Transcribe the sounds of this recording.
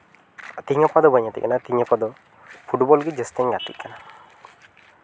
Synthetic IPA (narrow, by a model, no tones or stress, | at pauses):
t̪iŋɔpad̪ɔbəɲat̪ḭkanat̪iɲɔpad̪ɔ | pʰuʈbɔlɡid͡ʒest̪iŋɡat̪ḭʔkːana